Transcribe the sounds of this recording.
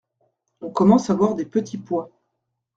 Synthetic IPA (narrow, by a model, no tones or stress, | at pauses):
ɔ̃kɔmɑ̃savwaʁd̪epət̪ʰipwa